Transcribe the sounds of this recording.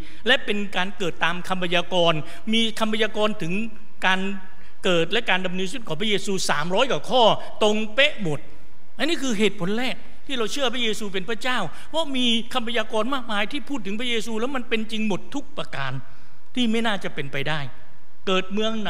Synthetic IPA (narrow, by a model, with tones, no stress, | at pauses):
lɛ˦˥ʔpe˧nkaː˧nkɤː˨˩t̪ːaː˧mkʰa˧mpʰa˧jaː˧kɔː˧n | miː˧kʰa˧mpʰa˧jaː˧kɔː˧nt̪ʰɯ˩˦ŋ | kaː˧n | kɤː˨˩t̪̚lɛ˦˥ʔkaː˧nda˧mnɯː˧nsu˦˥t̪̚kʰɔː˨˩˦pɾa˥jeː˧suː˧sa̰ː˩˦mɾɔː˦˥jkaː˨˩kʰɔː˥˩ | t̪o˧ŋpe˦˥ʔmo˨˩t̪̚ | ʔa˧nːiː˥˩kʰɯː˧ɦeː˨˩t̪̚pʰo˩˦nɾɛː˥˩k̚ | t̪ʰiː˥˩ɾa˧wt͡ɕʰɯ˥˩ɐpʰɾa˦˥jeː˧suː˧p̬e˧npʰɾa˦˥t͡ɕaː˥˩w | pʰɔ˦˥miː˧ | kʰa˧mpʰa˧jaː˧kɔː˧nmaː˥˩k̚maː˧jt̪ʰiː˥˩pʰuː˥˩t̪ːɯ˩˦ŋpʰɾa˥jeː˧suː˧lɛː˦˥wma˧npe˧nt͡ɕi˧ŋmo˨˩t̪ʰːu˦˥k̚pɾa˧kaː˧n | t̪ʰiː˥˩ma˥˩jnaː˥˩t͡ɕa˨˩pe˧npa˧jdaː˥˩j | kɤː˨˩t̪̚mɯ˧əŋ